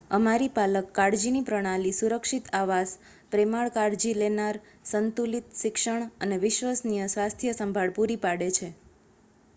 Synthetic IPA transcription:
əmaɾipaləkːaɽd͡ʒinipɾəɽ̃alisuɾəkʃit̪aʋas | pɾemaɭkaɽd͡ʒilenaɾ | sənt̪ulit̪ʃɪkʃəɳ̃əneʋɪʃʋəsnijəsʋast̪ʰjəsəmbʱaɭpuɾipaɽet͡ʃʰe

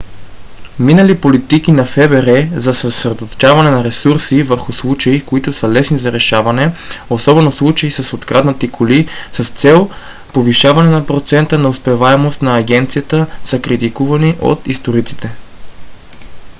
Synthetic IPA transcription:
minəlipolit̪ikinɐfɛbɛɾɛzɐsəsɾɛd̪ot̪o̥t͡ʃavɐnɛnɐɾɛsuɾsivəɾxʊslˠut͡ʃɐikoit̪ʊsəlɛsnizɐɾɛʃavɐnɛosɔbɛnoslˠut͡ʃɐisɐsot̪kɾad̪nɐt̪ikʰolisəst̪sɛlˠ | poviʃavɐnɛnɐpɾot̪sɛnt̪ənɐʊspɛvaɛmost̪nɐːɡʲɛnt̪sijət̪əsəkɾit̪ikuvɐniʔo̰t̪ist̪oɾit̪si̥t̪ɛ

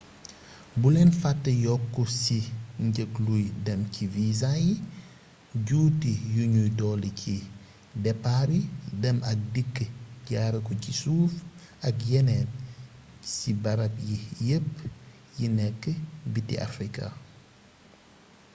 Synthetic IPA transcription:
bulɛnfatːəjɔkːɔsiɲɟəklujdɐmcivizaji | ɟuːtijuɲujtɔːlicʰi | dɛpːaɾidɐmʔɐk̚dikːəɟaːɾɐkɔcisuːf | ɐkjɛnɛt̚ | sibɐɾɐp̚jijəpː | jinɛkːəbitḭʔa̰fɾikʰa̰

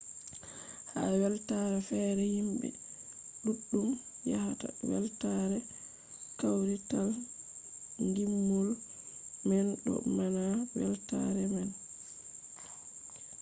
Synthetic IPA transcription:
hawɛltaɾɛfɛːɾɛhimbɛ̰ | ɗuɗːum | jahata̰wɛ̰ltaɾɛ | kawɾital | ŋɡimːɔl | mɛnɗɔ̰manawɛ̰lta̰ɾɛmɛn

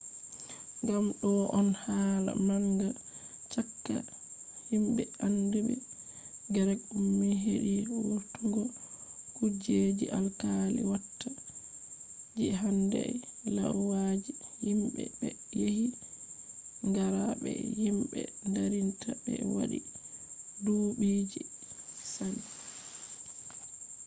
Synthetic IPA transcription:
ŋɡamɗɔʔɔnhaːla̰maŋɡa | t͡ʃakːa̰ | himɓɛandubɛ | ɡɛɾɛk̚ːumːɛɦeɗiwutuŋɡɔkud͡ʒed͡ʒiʔalkalḭwatːa | d͡ʒɛɦandɛlawad͡ʒihimɓɛbɛjehi | ŋɡaɾaɓɛ̰himɓɛ̰ndaɾintʰabɛwa̰ɗi | duːɓiːd͡ʒisani

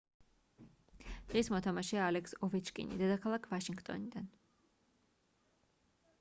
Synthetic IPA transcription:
d̪̥ʁismɔt̪ʰamaʃɛaːlɛksɔvɛt͡ʃkʼḭnḭd̪ɛd̪akʰalˠakʰvaʃiŋɡt̪ʼɔ̰nid̪an

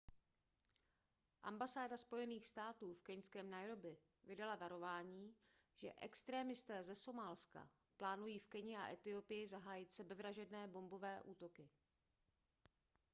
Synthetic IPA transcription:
ʔa̰mbasaːdaspo̞jɛniːxst̪aːt̪uːfkɛɲskɛːmnajɾo̞bɪ | vɪdalavaɾo̞vaːɲiː | ʒ̥ɛ̰ʔɛ̰kst̪ɾɛːmɪst̪ɛːzɛso̞malska̰ | plaːnujiːfkɛɲɪʔa̰ʔɛt̪ɪo̞pɪjɪzaɦaːjɪt̪sɛbɛvɾaʒɛdnɛːbo̞mbo̞vɛːʔuːt̪o̞kɪ

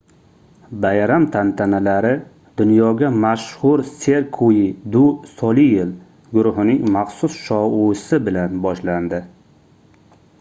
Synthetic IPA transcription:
bajɾamt̪ʰant̪ʰanalaɾɪ | d̪ʊnjɒɡʲamaʃhʊɾseɾkʰojɪd̪ʊsɒlijɪl | ɡʊɾʊɦɪnɪŋmaχsʊsʃɒusɪbɪlanbɒʃland̪ɪ

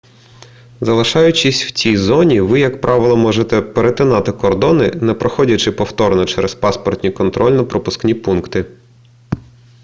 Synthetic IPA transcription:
zɐlˠɪʃɑjʊt͡ʃisʲw̥t͡sʲijzɔnʲiʋɪjɐkpɾʔɑʋɪlˠɔmɔʒet̪ɛpeɾet̪ɪnɑt̪ɪkɔrd̪ɔnɪnɛpɾɔxɔdʲɐt͡ʃɪpɔwt̪ɔɾnɔt͡ʃɛɾɛspɑspɔrt̪ʲnʲijkɔnt̪ɾɔlʲnɐpɾɔpʊsknʲipunkt̪ɪ

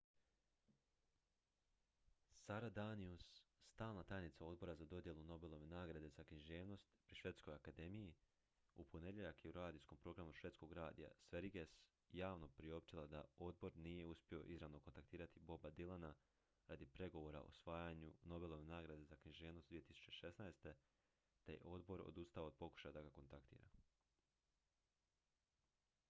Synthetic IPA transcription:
saɾad̪aniusːt̪aːlˠnat̪ajnit̪sao̞d̪̚bo̞ɾazad̪o̞d̪je̞lˠuno̞be̞lˠo̞ʋe̞naːɡɾad̪e̞zakniʒe̞ːʋno̞st̪pɾiʃʋe̞t̪sko̞jakad̪e̞miji | upʰone̞ʎʲeʎakjeuɾaːd̪isko̞mpɾo̞ɡɾamuʃʋe̞t̪sko̞ɡɾaːd̪ija̰sʋe̞ɾiɡes | jaːʋno̞pɾio̞p̚t͡ʃilˠad̪a̰o̞d̪̚bo̞ɾnije̞uspʲjio̞̰ʔizɾaʋno̞ko̞nt̪ak̚t̪iːɾat̪ibo̞bad̪ilˠana | ɾad̪ipɾe̞ɡo̞ʋo̞ɾa̰ʔo̞̰sʋaːjaɲuno̞be̞lˠo̞ʋe̞naːɡɾad̪ezakɲiʒe̞ːʋnost̪d̪iet̪isu̥t͡ɕe̞ʃe̞snaest̪e̞ | t̪ejḛʔo̞d̪bo̞ɾo̰d̪ust̪aod̪̚po̞ku̥ʃad̪aɡako̞nt̪akt̪ḭːɾa̰

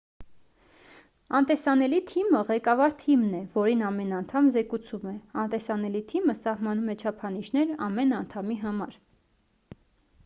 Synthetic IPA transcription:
ɑnt̪ɛsɑnɛlit̪ʰiməʁɛkɑvɑɾt̪ʰimnɛvɔɾinɑmɛnɑnt̪ʰɑmzɛkut͡sʰumɛɑnt̪ɛsɑnɛlit̪ʰiməsɑhmɑnumɛt͡ʃʰɑpʰɑniʃnɛɾɑ̰mɛnɑnt̪ʰɑmiɦɑmɑɾ

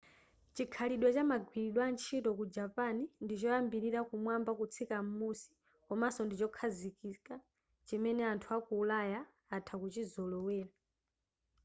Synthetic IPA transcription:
t͡ʃikʰaliɗwat͡ʃamaɡwiɾiɗwant͡ʃʰitɔkud͡ʒapanindit͡ʃɔjambiɾiɾakumwambakut͡sʰikamusi̥ | kɔmasɔndit͡ʃɔkʰazikika | t͡ʃimɛnɛantʰuakuːlajaː | tʰakut͡ʃizɔlɔwɛːla

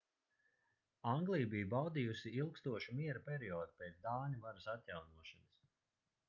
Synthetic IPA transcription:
aŋɡlˠijbijubawd̪ijusiilˠkst̪uɔʃumiɛɾapʲɛɾiɔːd̪upɛːt̪sd̪aːnʲuvaɾɨsat̪ʲjawnuɔʃanas

